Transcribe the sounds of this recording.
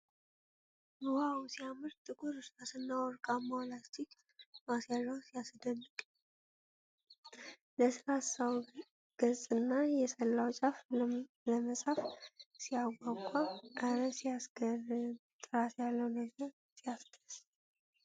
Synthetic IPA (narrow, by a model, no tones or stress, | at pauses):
muhawsijamɨɾt̪ʼɨkʰʼuɾɨsɾasɨnːawɔɾkʼamːawlat͡ʃːik | masjaʒawsijasd̪ənːɨkʼ | ləsɾasaw | ɡ̥əzʼɨnːajɛsəlːawt͡ʃʼaf | ləməsʼafsijaɡʷakʷʼaʔaɾəsijasɡərt̪ʼɨɾatjalːəwnəɡəɾ | sijasd̪ʰəs